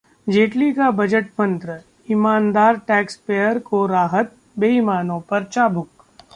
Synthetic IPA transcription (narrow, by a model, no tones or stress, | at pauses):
d͡ʒeːʈlikabɐd͡ʒəʈmɐ̃nt̪ɾə | ɪmaːnd̪aːɾʈɛːkspeːəɾkoɾaːɦət̪̚ | beːɪmaːnõpɐɾt͡ʃaːbʱʊk